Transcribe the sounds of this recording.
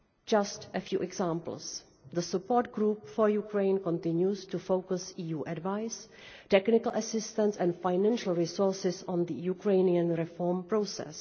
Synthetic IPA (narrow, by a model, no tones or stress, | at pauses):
d͡ʒastʔəfjṵːʔɛɡzãːmpl̩ˠs | ðəsupoːɹt̚ɡɾuːpfɔɹjukɾẽɪ̃nkɔ̃ntɪ̃njustufowkʊsiːjuːʔadvaɪs | tɛknɪkl̩ʔəsɪstə̃nsɛ̃nfajnæ̃nʃəl̩ˠɹisɔɹsɪsɔ̃nd̪əjukɹẽɪniãnɹɛfɔɹmpɹosɛ̰s